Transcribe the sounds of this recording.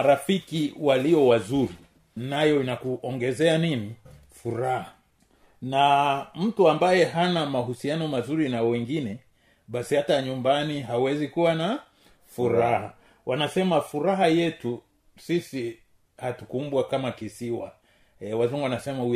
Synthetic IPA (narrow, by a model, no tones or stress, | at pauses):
aɾafikiwaliɔwazuɾi | najɔinakuʔɔŋɡɛzɛanini | fuɾaha | nam̩tuambajɛɦanamaɦusianɔmazuɾinawɛŋɡinɛ | ɓasihataɲumbaniɦawɛzikuwana | fuɾaha̰ | wʔanasɛmafuɾaɦajɛtu | sisi | hatukumbwakamakisiwa̰ | wazuŋɡuwanasɛmau